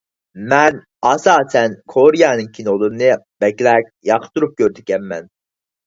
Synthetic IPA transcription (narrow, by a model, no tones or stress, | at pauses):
mɛn | ɑsɑːsɛnkʰoɾijɑnɨŋkʲʰinolˠuɾɨnɨb̥ɛkʲlɛk̚ʲjɑqʰt̪uɾup̚kʲøɾd̪ɪɡʲɛmmɛn